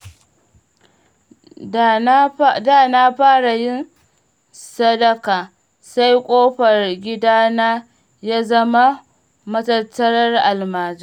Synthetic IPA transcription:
daː˦˨na˦ɸaː˦ɽa˨jɪ˦n | sɐ˦dɐ˦kaː˨ | sa˦jkʷʼoː˦ɸɐ˨rɡʲɪ˦daː˦naː˦ | jaː˦zɐ˦ma˦ | mɐ˦tɐ˦tːɐ˦ɽɐ˦rʔa˨lmaː˨d͡ʒa˦˨

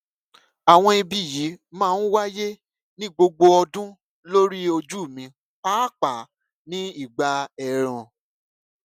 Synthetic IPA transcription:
a˨w̃ɔ̃˧i˧bi˨ji˨˦mãː˦˨˦n̩˦wa˦je˦ | nĩ˦ɡ͡bo˧ɡ͡bo˧ɔ˧dũ˦ | lo˦ɾi˦o˧d͡ʒu˦˨mĩ˧˦ | k͡pa˦˨k͡pa˨ | nĩ˨˦i˦˨ɡ͡ba˧ɛ˨ɾ̃ã˨

